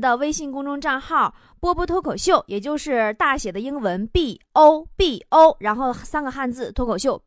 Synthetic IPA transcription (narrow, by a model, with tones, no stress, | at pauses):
d̪ə˧we˥ɪɕi˥˩ŋkʊ˥ŋʈ͡ʂʊ˥ŋʈ͡ʂa˥˧nxɑ˥˩ʊ | pwɔ˥pwɔ˥t̪ʰo˥kʰo˨˩ʊɕjo˥˩ʊjʔɛ˨˩t͡ɕjo˥˧ʊʂɻ̩˥˧t̪a˥˩ɕjɛ˨˩d̪ə˦i˥ŋwə˧˥npi˥˩o˥ʊpi˥˩o˥ʊɻa˧˥nxo˥˩ʊsa˥nɡə˨˩xa˥˧nt͡sɹ̩˥˩t̪ʰo˥kʰo˨˩ʊɕjo˥˩ʊ